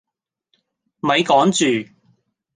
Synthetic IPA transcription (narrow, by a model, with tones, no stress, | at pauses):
mɐ˨˧jkɔː˨˥ŋt͡ʃyː˨